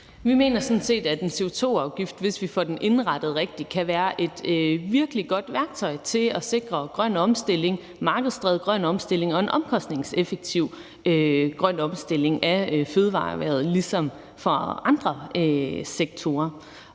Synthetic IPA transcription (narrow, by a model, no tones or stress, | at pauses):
ʋime̝̰ːnɐsɒ̽n̩se̝̰ːd̥æd̥e̝nse̝o̝t͡sʰo̝̰ːɑ̈ʊɡ̥ifd̥ʋe̝sʋifɒ̰d̥enʔe̝nʁɑ̈d̥əð̩ˠʁeɡ̥̚d̥ikʰæʋæːɐʔe̝d̥ʋiɐɡ̥əliɡ̥ɒ̽d̥ʋæɐɡ̥̚t͡sʰɒ̽ɪ̰t͡sʰe̝lɒse̝ɡ̥ʁɐɡ̥ʁɶn̰ɒ̽msd̥el̰e̝ŋ | mɑ̈ːɡ̥əð̞̩ˠsd̥ʁɛðˠɡ̥ʁɶn̰ɒ̽msd̥e̝l̰e̝ŋɒ̽e̝nʔɒ̽mkʰɒ̽sd̥ne̝ŋsefeɡ̥̚t͡sʰiʊ̰ | øɡ̥ʁɶn̰ɒ̽msd̥ele̝ŋæføð̞ˠʋɑ̰̈ːʋæɐð̞̩ˠlisɒ̽m | fɒɑ̈nd̥ʁɐøseɡ̥̚t͡sʰo̝ːɐ